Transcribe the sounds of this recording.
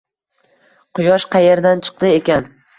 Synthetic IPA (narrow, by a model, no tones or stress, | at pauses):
qʰʊjɒʃqʰɑjeɾd̪ant͡ʃʰɨ̥q̚d̪ɪekʲan